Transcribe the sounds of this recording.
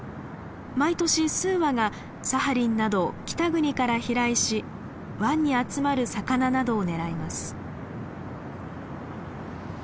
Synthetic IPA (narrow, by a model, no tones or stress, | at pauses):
mait̪o̞ɕisɨːβaɡa | sahaɾʲĩnːad̪o̞kʲi̥t̪aɡɯ̟ɲ̟ikaɾaçiɾaiɕi | βãɲ̟ːiat͡sɨmaɾɯ̟sakananad̪o̞ːne̞ɾaimasɨ̥